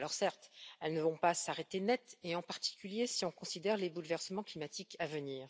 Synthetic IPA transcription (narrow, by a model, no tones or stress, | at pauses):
lɔʁsɛʁt̪ɛlnəvɔ̃pasaʁet̪enɛt̪eɑ̃paʁt̪i̥kʲyljesiɔ̃kɔ̃sid̪ɛʁlebulvɛʁsəmɑ̃klimat̪ikavəniːʁ